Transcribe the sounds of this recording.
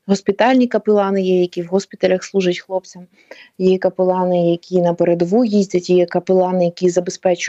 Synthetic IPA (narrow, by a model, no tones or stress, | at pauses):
ɦɔspʲɪt̪ɑlʲnʲikɐpɪlˠɑnɪjɛjɐkʲiwɦɔspʲit̪ɐlʲɐxslˠuʒɐtʲxlˠɔp̚t͡sʲɐm | jijɛkɐpɪlˠɑnɪjɐkʲʰinɐpeɾed̪ɔʋujizʲdʲɐtʲijɛkɐpɪlˠɑnɪjɐkʲizɐbespɛt͡ʃʊ